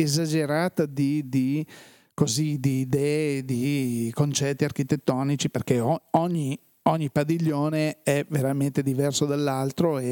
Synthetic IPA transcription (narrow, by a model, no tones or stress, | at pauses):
ezad͡ʒeɾaːt̪ad̪id̪i | koziːd̪iːd̪ɛːed̪ikont͡ʃɛt̪ːiark̟it̪et̪ːɔːnit͡ʃiperkeɔɔɲːi | ɔɲːipad̪iʎːoːneɛveɾament̪ed̪ivɛrsod̪alːalt̪ɾoe